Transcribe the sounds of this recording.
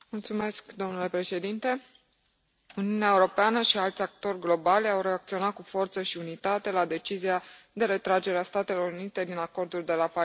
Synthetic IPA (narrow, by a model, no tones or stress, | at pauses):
mult̪sume̞skd̪o̞mnule̞pɾe̞ʃe̞d̪int̪e̞ | uniuneaeuɾo̞peanəʃialt̪sʲak̚t̪o̞rʲɡlo̞balʲawre̞ak̚t̪sio̞nat̪̚kufo̞rt̪səʃiunit̪at̪e̞lad̪e̞t͡ʃizia | d̪e̞ɾe̞t̪ɾad͡ʒe̞ɾeast̪at̪e̞lo̞ɾunit̪e̞d̪inako̞rd̪ulʲd̪e̞lapa